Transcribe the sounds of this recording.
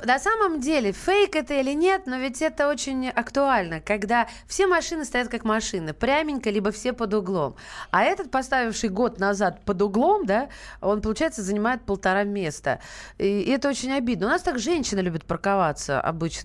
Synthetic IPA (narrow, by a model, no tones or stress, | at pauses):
nɐsaməmdʲelʲɪfejkɛt̪əilʲɪnʲe̞t̪no̞vʲɪtʲɛt̪əo̞t͡ɕɪnʲɐkt̪ʊalʲnəkɐɡd̪afsʲe̞mɐʂɨnɨst̪ɐjat̪̚kakmɐʂɨnɨpɾʲamʲɪnʲkəlʲibəfsʲe̞pəd̪ʊɡlˠo̞̰maɛt̪ət̪̚pɐst̪avʲɪfʂɨjɡo̞t̪nɐzat̪pəd̪ʊɡlˠo̞md̪ao̞npəlˠʊt͡ɕæjɪt̪səzənʲɪmajɪt̪̚pəlˠt̪ɐɾamʲe̞st̪ə̰iɛt̪əo̞t͡ɕɪnʲɐbʲid̪nəʊnast̪akʐɛnʲɕːɪnəlʲʉbʲɪt̪̚pərkavat̪sə̰ʔɐ̰bɨt͡ɕnə